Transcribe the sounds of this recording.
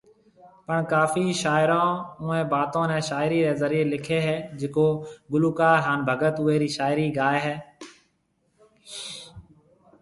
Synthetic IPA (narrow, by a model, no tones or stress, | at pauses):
pəɳkaːfiːʃaːɪɾãːuːẽːbaːt̪õːnɛ̃ːʃaːɪɾiːɾeːzəɾiːelɪkʰeːɦɛːd͡ʒekoːɡʊluːkaːɦaːnbʱəɡət̪ʊːeːɾiːʃaːɪɾiːɡaːeːɦɛː